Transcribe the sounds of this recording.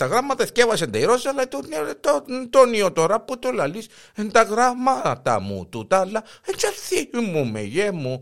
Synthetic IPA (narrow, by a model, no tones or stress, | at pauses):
t̪aɣɾamat̪eskeβaʃ̬end̪eiɾosalat̪unt̪ot̪oniot̪oɾaput̪ulalis | ent̪aɣɾamat̪a̰mṵt̪ut̪alaent͡ʃaθimumḛjemo